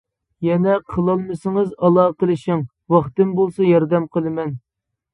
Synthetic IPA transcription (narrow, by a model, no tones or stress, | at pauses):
jɛnɛqʰəlˠɑlˠmɨsɨŋɨzɑlˠɑːqəlˠɪʃɪŋ | wɑχt̪ɨmbolˠsɑjɑɾd̪ɛmqʰəlˠɨmɛn